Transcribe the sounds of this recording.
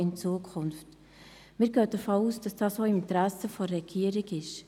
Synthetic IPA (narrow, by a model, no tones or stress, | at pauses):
ɪnt͡suəkʰʊnft | mɪːɾɡøːd̥əfoːuːsd̥ɑsd̥ɑːsoːɪmɪntɾæsəfɔːɛɡiːəɾɪkɪʃ